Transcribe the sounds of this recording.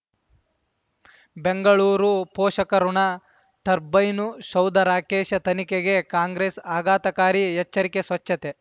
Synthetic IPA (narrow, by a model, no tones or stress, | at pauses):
beŋɡɐɭuːɾupoːʃɐkɐɾuɳɐ | t̪ɐɾbɐjnuʃɐwd̪ɐɾaːkeːʃɐt̪ɐnikeɡe̞kaːŋɡɾeːsaːɡaːt̪ɐkaːɾijɛt͡ʃːɐɾikesʋɐt͡ʃːɐt̪e